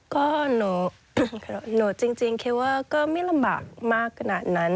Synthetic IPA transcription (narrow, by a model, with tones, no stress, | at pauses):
kɔː˥˩no˨˩˦ | kʰa˧˩no˨˩˦t͡ɕi˧ŋt͡ɕi˧ŋkʰi˧˩waː˥˩kɔː˥˩ma˥˩la˧mba̰ː˨˩k̚maː˥˩kʰːa˧naː˨˩t̪̚na˦˥n